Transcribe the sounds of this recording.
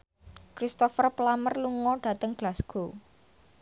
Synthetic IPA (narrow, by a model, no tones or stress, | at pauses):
kɾist̪ɔfərplamərluŋɔɖ̥ä̤t̪əŋɡ̥lasɡ̥o̤